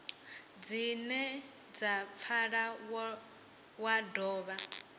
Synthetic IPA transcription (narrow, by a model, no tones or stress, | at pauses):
d͡zinɛ | d͡zap̪fʰaɺa | wadɔːβa